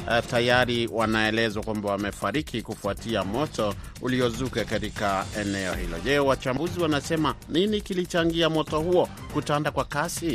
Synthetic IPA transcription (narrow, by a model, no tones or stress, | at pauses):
tajaɾiwanaɛlɛzwakwambawamɛfaɾikʰikufuatiamɔtɔ | uliɔzukɛkatikaɛnɛɔ̰hḭlɔ̰ʄɛwat͡ʃambuziwanasɛmaninikilit͡ʃaŋɡiamɔtɔhuɔ | kutandakwakasi